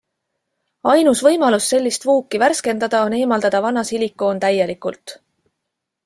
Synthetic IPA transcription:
ɑjnusvɤ̞jmɑlusːe̞lʲːist̪vuːkːivæɾske̞nd̪ɑd̪̥ɑone̞ːmɑld̪̥ɑd̪̥ɑvɑnɑsilikːˑo̞ːnt̪æje̞likːˑult̪ˑ

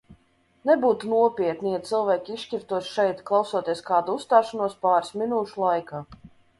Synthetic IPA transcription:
nɛbuːt̪unuɔpʲiɛt̪̚nʲijat̪sɨlˠvʲæːkʲiʃcʲift̪uɔʃʃɛjt̪klˠawsuɔt̪ʲiɛskaːd̪uust̪aːʃanuɔspaːɾsmʲinuːʃulˠajkaː

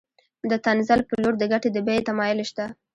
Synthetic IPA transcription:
d̪ət̪anzalpəloɾd̪əɡaʈed̪əbajet̪amɑjɪlʃt̪a

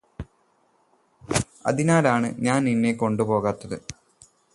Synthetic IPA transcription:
ɐ̰ðinaːlaːɳɨ̰ɲaːnninːeko̞ɳɖupo̞ːɣaːt̪ːɐðɨ

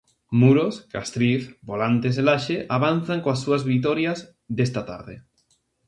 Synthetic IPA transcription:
muɾoskast̪ɾiθbolant̪eselaʃeʔaβ̞an̟θaŋkoasːuazβit̪oɾjaz | ðest̪at̪a̰ɾðe

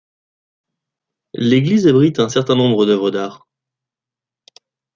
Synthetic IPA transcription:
leɡlizabʁit̪ɛ̃sɛʁt̪ɛ̃nɔ̃bʁəd̪œvʁəd̪aːʁ

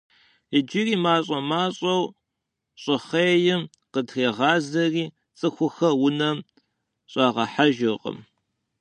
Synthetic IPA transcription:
ɪd͡ʒiriːmaːɕʼɐmaːɕʼɐw | ɕʼɨχeːjɪm | qədxeːʁɑːzɐriː | t͡sʼɨxʷʊxɐwʊnɐm | ɕʼɑːʁɐħaʒɪqʼə̰m

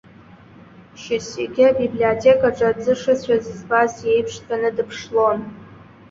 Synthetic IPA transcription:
ʃaseɡʲɪabibliotʲʰekʼaʈ͡ʂʼad͡zɨʂɨt͡ɕʷʰᶣazizbazje̞jpʰʂtʼʰanɨdɨpʰʂlo̞n

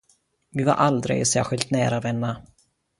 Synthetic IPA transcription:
vɪva̰ɾʔald̪ɾɪ̰ɡsæ̰ːɾɧɪlt̪næːɾavɛnːa

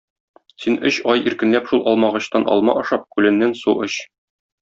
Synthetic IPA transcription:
sinɵɕɒjiɾkɘ̆nlæpʃulˠɒlˠmɑʁɤ̆ɕt̪ɑnʔɒ̰lˠmɑ̰ʔɒʃɑp̚kʉlɘ̆nːænsuʔɤɕ

